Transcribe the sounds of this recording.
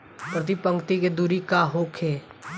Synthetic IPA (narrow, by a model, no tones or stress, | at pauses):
pɾɐt̪ipə̃ŋkt̪iked̪uɾikaɦoːkʰeː